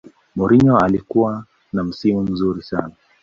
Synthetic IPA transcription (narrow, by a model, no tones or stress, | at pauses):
mɔɾiɲɔalikuwa | nam̩simum̩zuɾisana